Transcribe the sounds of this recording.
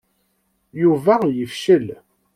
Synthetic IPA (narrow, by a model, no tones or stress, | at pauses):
juvæjəfʃəl